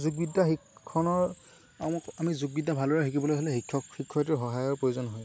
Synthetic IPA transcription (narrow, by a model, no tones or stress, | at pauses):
zuɡbidaxikʰːɔnɔɹ | amɔkamizuɡbidabʱalɔɹɛɦikibɔlojɦɔlɛɦikʰːɔkxikʰːɔtiɹɦɔɦajɔɹpɹojuzɔnɦɔj